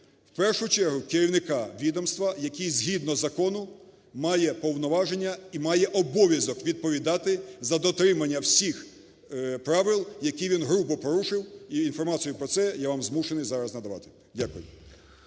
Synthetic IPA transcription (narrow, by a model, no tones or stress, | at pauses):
wpɛrʃʊt͡ʃɛrɦʊkeɾʲiwnɪkɑʋʲid̪ɔmst̪ʋɐjɐkʲijzʲɦʲid̪nɔzɐkɔnʊ | mɑjɛpɔwnɔʋɑʒenʲːɐimɑjɛʔɔbɔʋʲjɐzɔkʋʲid̪̚pɔʋʲid̪ɑt̪ɪzɐd̪ɔt̪ɾɪmɐnʲːɐwsʲix | pɾɑʋɪlˠjɐkʲiʋʲinɦɾubɔpɔɾuʃɪwiinfɔrmɑt͡sʲijʊpɾɔt̪sɛjaʋɑmzmuʃenɪjzɑɾɐznɐd̪ɐʋɑ̰t̪ɪ̥ | dʲakʊjʊ